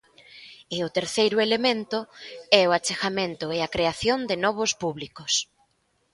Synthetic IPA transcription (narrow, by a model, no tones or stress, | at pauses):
ɪʊt̪eɾθejɾʊelemẽnt̪ʊɛʊat͡ʃexamẽnt̪ʊeakɾeaθjond̪ɪnɔβ̞ʊspuβlikʊs